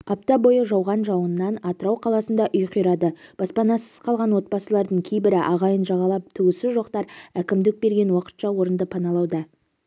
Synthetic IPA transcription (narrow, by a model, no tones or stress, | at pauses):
ɑp̚t̪ɑbo̞jəʒɑwʁɑnʒɑwənːɑnɑt̪əɾɑwqʰɑlˠɑsənd̪ɑʔʊjqʰʏjɾɑd̪əb̥ɑspɑnɑsəz̥qʰɑlˠʁɑnwo̞t̪̚pɑsəlˠɑɾd̪əɴkʲʰe̞jbɪɾɪʔɑʁɑjənʒɑʁɑlˠɑp̚t̪ʰʏwɪsɪʒo̞qt̪ɑɾækʲɪmd̪ɪk̚be̞ɾɡʲenwɑqə̥t̪ʃɑwo̞ɾənd̪əpʰɑnɑlˠɑwd̪ɑ